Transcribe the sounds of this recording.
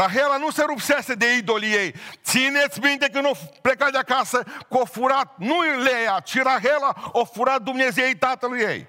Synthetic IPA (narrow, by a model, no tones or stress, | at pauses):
ɾaɦelanũseɾupsesed̪eid̪olijejt̪sinet̪sʲmĩnt̪ekɨnoplekad̪akasɐkofuɾat̪̚nũlejat͡ʃiɾaɦelaofuɾat̪̚d̪umneziejt̪at̪ɐlujḛj